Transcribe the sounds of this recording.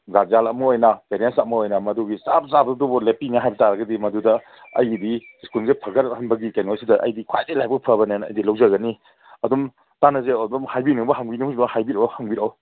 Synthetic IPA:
ɡazalɐmɐojnɐpeɾensɐmɐojnɐmɐduɡisab̚sabdubɔlepinaɦajbɐtaɾɐɡɐdimɐdudɐ | ɐ̰jdi | skulzepʰɐɡɐɾhɐnbɐɡikanosidɐʔɐ̰jdikʰajzelajbɐk̚pʰɐbɐnenɐ̰jdilɐwzɐɡɐni | ɐdum | tanɐzedumhajbinubɐɦaŋbinihuznahajbiɾowhaŋbiɾow

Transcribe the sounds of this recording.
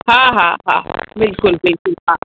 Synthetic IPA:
ɦãːɦãːɦã̰ːbɪlkʊlbɪlkʊlɦãː

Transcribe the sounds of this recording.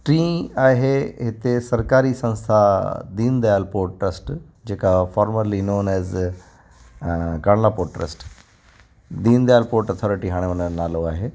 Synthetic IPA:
ʈɾĩːaːɦeɦɪt̪esɐɾkaːɾisɐ̃nst̪ʰad̪ĩːnd̪elpoːɾʈːɾəsʈ | d͡ʒeːkafɔːɾməɾlinõːnɛːz | kaːɳnapoːʈːɾə̰sʈ | d̪iːnd̪jaːlpoːɾʈət̪ʰɔːɾɪʈiɦaːɽ̃eənənaːloaːɦe

